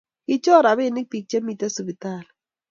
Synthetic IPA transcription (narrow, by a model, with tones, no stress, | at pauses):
kɪ˦t͡ʃɔ˦˨ɾa˨be˦˨nɪ˦k̚pi˨k̚t͡ʃe˦mi˦˨ta˦su˨bi˨ta˦˨l